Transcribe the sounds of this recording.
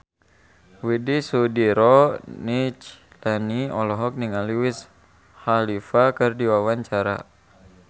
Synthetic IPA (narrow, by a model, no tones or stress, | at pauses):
widisudiɾɔnit͡ʃ | lɛniɔlɔɦɔk̚niŋaliwis | halifakɨrdiwawaɲt͡ʃaɾa̰